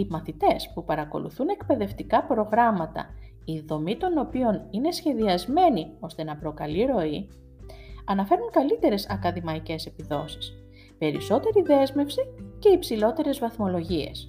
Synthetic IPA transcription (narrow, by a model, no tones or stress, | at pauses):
imɐθit̪e̞spupɐɾɐko̞̰lṵθune̞kpe̞ðe̞ft̪ikɐpɾo̞ɣɾɐmɐt̪ɐ̰ | iðo̞mit̪o̞no̞pio̞ninesçe̞ðiɐzme̞nio̞st̪e̞nɐpɾo̞kɐliɾo̞i | ɐnɐfe̞ɾuŋkɐlit̪e̞ɾe̞sɐkɐðimɐice̞se̞piðo̞si̥s | pe̞ɾḭso̞t̪e̞ɾiðe̞zme̞fsice̞ipsilo̞t̪e̞ɾe̞zvɐθmo̞lo̞ʝie̞̰s